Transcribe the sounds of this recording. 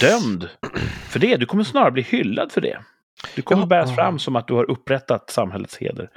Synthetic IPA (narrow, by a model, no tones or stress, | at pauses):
d̪̥œmd̪fœɖɛd̪ɵkʰɔmːəʂnɑːɾaɾbliːhʏlːa̰d̪fœɖɛ̰ | d̪̥ɵkʰɔmːəɾbæːɾasfɾa̰mːsɔmat̪̚d̪ɵhaɾʔɵpːɾɛt̪ːat̪samhɛlːə̰t̪shḛːd̪ə̰ɾ